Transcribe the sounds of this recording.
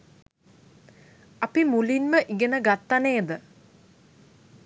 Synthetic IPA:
ɐpimulinməʔiɡenəɡat̪ːaneːd̪ə

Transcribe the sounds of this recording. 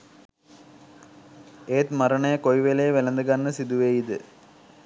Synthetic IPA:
eːt̪mɐɾɐɳɐjəkojʋelejʋelɐnd̪ɐɡɐnːəsid̪uʋeːid̪ɨ

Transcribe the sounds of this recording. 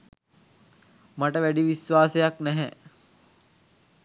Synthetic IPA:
maʈəʋæɖiʋisʋaːsejaknɛɦɛ

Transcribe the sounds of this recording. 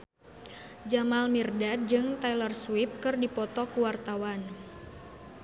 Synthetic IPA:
d͡ʒamalmirdat̚d͡ʒɨŋt̪alərswɪp̚kɨrdipɔt̪ɔkuwart̪awan

